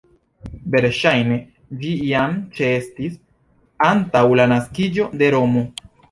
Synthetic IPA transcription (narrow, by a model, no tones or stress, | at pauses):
ve̞ɾʃajne̞ | d͡ʒiiamt͡ʃeestis | antawlanaskid͡ʒo̞de̞ɾo̞mo̞